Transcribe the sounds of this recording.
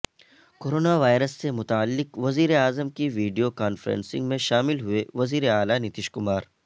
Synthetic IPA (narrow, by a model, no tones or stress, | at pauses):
koːɾoːnaʋaːɪɾəsːemʊt̪aəlːɪkʋɐziːɾeaːzəmkiʋiːɖijokaːnfəɾə̰̃nsɪ̰̃ŋɡmẽʃaːmɪlɦʊeʋɐziːɾeaːlanɪt̪ɪʃkʊmaːɾ